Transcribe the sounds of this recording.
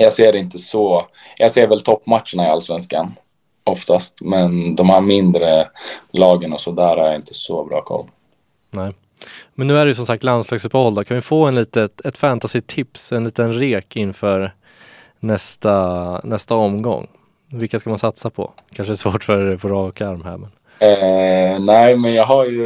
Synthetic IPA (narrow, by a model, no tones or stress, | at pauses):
jɑːɡseːɾɪnt̪əsɔ | jʔɑːɡseːɾvɛlt̪ʰɔpːmat̪ʂəɳaɪa̰lsvɛnskan | ɔft̪ast̪mɛnd̪ɔmhæɾmɪnd̪ɾəlɑːɡənɔsɔd̪æːɾhaɾjaɪnt̪ʰə̥sɔbɾɑ̰ːkʰɔ̰lː | nɛː | mɛnːʉ̟ːæɖɛjɵsɔmsak̚t̪land̪slɑːɡsɵpːəhɔlːd̪ɔkʰanvɪɪfoːɛnliːt̪əɛt̪fænt̪asɪt̪ʰːɪpsɛnliːt̪ənɾeːkɪnːfœːɾ | nɛst̪anɛst̪aɔmɡɔ̰ŋː | vɪlkaskamansat̪sapʰɔ̰kʰanʂədɛsvoːʈfœɾpʰɔɾɑːkaaɾmhɛ̰mən | næɪmɛnjɑːɡɦaɾjɵ